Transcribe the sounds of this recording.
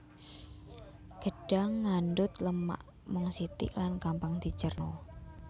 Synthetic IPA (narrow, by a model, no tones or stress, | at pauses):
ɡ̥ə̤ɖ̥aŋːanɖʊt̪ləma̰ʔ | mʊŋsit̪ḭʔlankampaŋd̪̥i̤t͡ʃərnɔ